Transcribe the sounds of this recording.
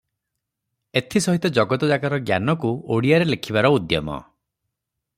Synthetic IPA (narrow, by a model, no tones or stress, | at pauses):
et̪ʰisɔɦit̪ɔd͡ʒɔɡɔt̪ɔd͡ʒakaɾɔɡja̰nɔkuoɽijaɾelekʰibaɾɔud̪jɔ̰mɔ̰